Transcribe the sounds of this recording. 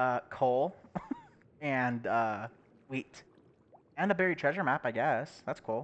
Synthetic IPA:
ʌkʰulˠ | ɨ̃nʌ | wit | ɨ̃nðəbɛɹitʰɹ̥ɛʒə˞mæpaɪɡɛsðætskʰulˠ

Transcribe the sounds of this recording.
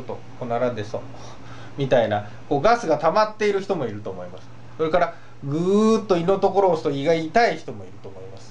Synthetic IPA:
t̪ːo | konaɾad̪eso | mʲit̪aina | ko̞ːɡasɨɡat̪amat̪ːe̞iɾɯ̟çi̥t̪o̞mo̞iɾɯ̟t̪oːmo̞imasɨ̥ | so̞ɾe̞kaɾa | ɡɯːt̪ːo̞ino̞t̪o̞ko̞ɾo̞ːsɨ̥t̪oiɡait̪aiçi̥t̪o̞mo̞iɾɯ̟̥t̪o̞ːmo̞imasɨ̥

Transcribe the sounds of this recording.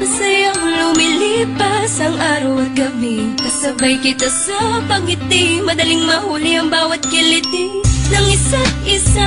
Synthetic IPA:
pɐsɐjɐŋlʊmɪlipɐsɐŋʔaːɾɐwɐɡɐbikɐsɐbɐjkɪt̪asɐpɐɡɪt̪ɪmɐd̪ɐlɪŋmɐhuːlɪɐŋbaːwɐt̪̚kɪlɪt̪ɪnɐŋɪsat̪̚ʔɪsa

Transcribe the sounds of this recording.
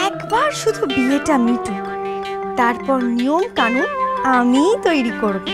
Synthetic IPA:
ɛkbaɾʃud̪ʱubieʈamiʈu | t̪aɾpɔɾnijomkanuamit̪ojɾikoɾbo

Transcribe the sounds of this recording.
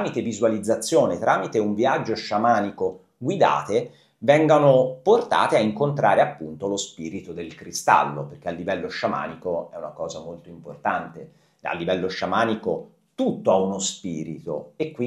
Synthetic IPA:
mit̪evizualid̪zːat̪sːjoːnet̪ɾaːmit̪euɱviad͡ʒːoʃamaːniko | ɡwid̪a̰ːt̪e | vɛŋɡonoport̪a̰ːt̪eaiŋkont̪ɾaːɾeapːunt̪olospiːɾit̪od̪elkɾist̪a̰lːo̰perk̟ealːivɛlːoʃama̰ːnikoɛuna̰kɔːzamolt̪oimpo̰rt̪ant̪e | a̰lːivɛlːoʃamaːniko | t̪ut̪ːoaunospiːɾḭt̪o̰ekːwi

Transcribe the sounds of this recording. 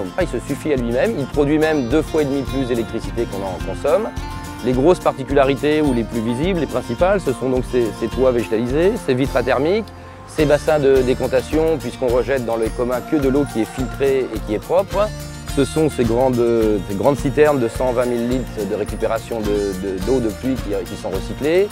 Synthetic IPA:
ilsəsyfialɥimɛmilpχɔd̪ɥimɛmd̪øfwaed̪miplysd̪elɛk̚t̪χisit̪ekɔ̃nɑ̃kɔ̃sɔm | leɡʁospaʁt̪ikʲylaʁit̪euleplyviziblepχɛ̃sipalsəsɔ̃d̪ɔ̃kseset̪waveʒet̪alizesevit̪χat̪ɛʁmik | sebasɛ̃d̪əd̪ekɔ̃t̪asjɔ̃pɥiskɔ̃ʁəʒɛt̪̚d̪ɑ̃ləkɔmɛ̃kəd̪əlokʲiɛfilt̪χeekʲiɛpχɔpχ | səsɔ̃seɡʁɑ̃d̪seɡʁɑ̃d̪sit̪ɛʁmd̪əsɑ̃vɛ̃milːit̪χd̪əʁekʲypeʁasjɔ̃d̪əd̪əd̪od̪əplɥikʲikʲisɔ̃ʁəsikle

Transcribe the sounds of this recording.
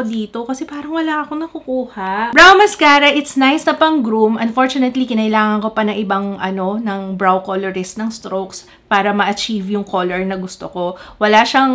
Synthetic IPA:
d̪iːt̪okɐsɛpaːɾɐŋwɐlaʔɐkonɐkʊkuːhaʔbɹawmɐskaːɾɐʔɪt̪snajsnɐpɐŋɡɾumʔɐnfo̞ɹt͡ʃʊnɛt̪likɪnɐʔɪlaːŋɐnko̞pɐnɐŋʔɪbɐŋʔɐno̞nɐŋbɹawkolɛɹɪsnɐŋst̪ɾowks | paːɾɐmɐʔɐt͡ʃivjʊŋkʰolɛɹnɐɡʊst̪oko̞wɐlaʃɐŋ

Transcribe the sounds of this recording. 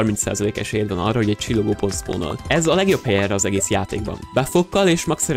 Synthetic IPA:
rmint̪sa̰ːzɒleːkɛʃeːd̪vɛnɒ̰rːɒho̞ɟɛc̚t͡ʃilːoɡoːpost̪fo̰ːno̰lɛzɒlɛɡjo̞phɛjɛrɛɒzɛɡeːsjaːt̪ḛːɡbɒ̰nbɛfokːɒleːʃmɛksɛɾ

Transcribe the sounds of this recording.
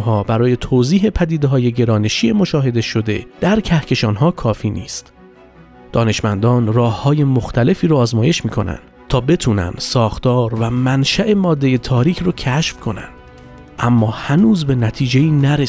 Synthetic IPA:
ɦɒːbæɾɒːje̞t̪ʰoːziːɦe̞pʰæd̪iːd̪e̞ɦɒːje̞ɟe̞ɾɒːne̞ʃiːe̞mo̞ʃɒːɦe̞d̪e̞ʃo̞d̪e̞̰d̪̥æɾcʰæhcʰe̞ʃɒːnɦɒːkʰɒːfiːnḭːst̪ | d̪̥ɒːne̞ʃmænd̪ɒːnrɒːhhɒːje̞moxt̪ʰæle̞fiːɾoːzmɒːje̞ʃmiːkʰo̞næ̰nd̪̥t̪ʰɒːbe̞t̪ʰuːnæ̰nd̪̥sɒːxt̪ɒːɾvæmænʃæʔe̞mɒːd̪ːe̞jet̪ʰɒːɾiːkʰrocʰæʃfkʰo̞næ̰nd̪̥ | ʔæmːɒːhænuːzbe̞næt̪ʰiːd͡ʒe̞iːnæɾe

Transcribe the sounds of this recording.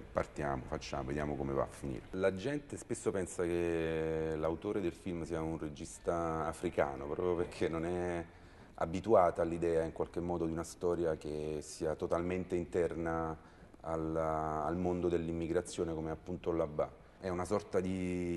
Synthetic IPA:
pa̰rt̪ja̰ːmo̰fat͡ʃːa̰moved̪ja̰ːmokomeva̰fːinḭːɾelad͡ʒɛnt̪espesːopɛnsak̟e | lawt̪oːɾed̪elfilmsiːaunred͡ʒist̪aːfɾika̰ːno̰pɾɔ̰ːpɾjoperkʰenːonɛ | a̰bit̪uaːt̪aːlːid̪ɛːaiŋkwalk̟emːɔːd̪od̪iunast̪ɔːɾjak̟esiːat̪ot̪alment̪eint̪ɛrna | alːlmond̪od̪elːimːiɡɾat̪sːjoːnekomapːunt̪olabːa̰ | ɛunasɔrt̪ad̪i

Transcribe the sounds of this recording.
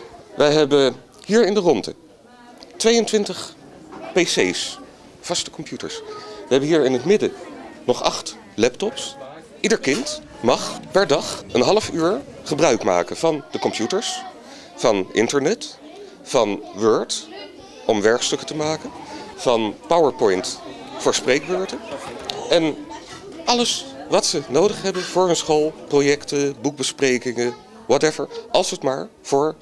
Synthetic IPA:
ʋʔəjɦɛbə | hiːɹɪndərɔndə̰ | tʋejəntʋɪntəχ | pesejs | v̥ɑstə̥kɔmpjutə̰ɹsʋəɦɛbənɦiːɹɪnətmɪdənɔχɑ̰χt | lɛptɔps | ʔidəɹkɪnt | mɑχpɛɹdɑχənɦɑləfyːɹχəbrœɥkma̰ːkənv̥ɑnd̥əkɔmpjutəɹs | fɑnʔɪ̰ntəɹnɛt | fɑnʋøɹt | ʔɔmʋɛɹkstɵkətəmaːkənv̥ɑnpawəɹpɔjntfʊːɹsprejk̚ʋøːɹtə | ɛn | ʔɑləsʋɑtsənowdəχɦɛbənvʊːɹɦɵnsχolˠprojɛktəbuk̚bəsprejkɪŋə | wɑtɛvəɹʔɑlˠsətmaːɹv̥ʊːɹ

